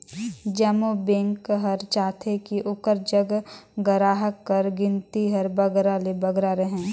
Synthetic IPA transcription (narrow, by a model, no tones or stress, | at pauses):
d͡ʒəmobẽŋkɦɐɾt͡ʃaːt̪ʰekiʔʊkəɾd͡ʒəɡɡəɾaːɦəkːəɾɡɪ̃nt̪iɦɐɾbəɡɾalebɐɡɾaɾəɦɛ̃ː